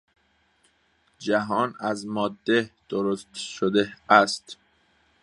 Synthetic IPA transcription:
d͡ʒæɦɒːnæzmɒːd̪ːed̪̥oɾost̪ʃod̪eæst̪

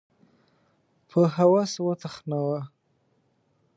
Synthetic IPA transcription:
pʰəɦawaswət̪axnawa

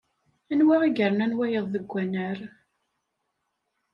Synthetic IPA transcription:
ænwaʁiɡəɾnænwæjəðˤːəɡʷːænəɾ

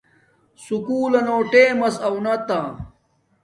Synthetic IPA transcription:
sukuːlɐnoːʈeːmɐsɐwnɐt̪a

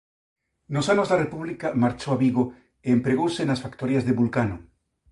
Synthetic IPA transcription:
nosanozðarepuβ̞likamaɾt͡ʃoaβiɣo | eːmpɾeɣowsenasfakt̪oɾjazðeβulkano

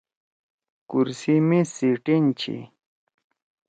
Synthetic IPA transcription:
kuɾsimisiʈint͡ɕʰḭ

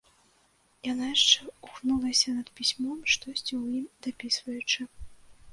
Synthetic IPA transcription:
janajaʂt͡ʂɛuxnulˠɐsʲɐnɐt̪pʲisʲmɔmʂt̪ɔsʲt͡sʲiwjimd̪apʲisvɐjut͡ʂɨ

